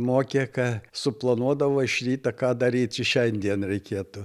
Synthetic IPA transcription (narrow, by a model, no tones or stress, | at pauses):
moːkʲekɐsʊplˠɐnuɔd̪ɐʋoɪʃʲrʲiːt̪ɐkɑːd̪ɐɾʲiːt͡sʲɪʃʲɛnʲd̪ʲiɛnɾʲɛɪkʲeːt̪ʊ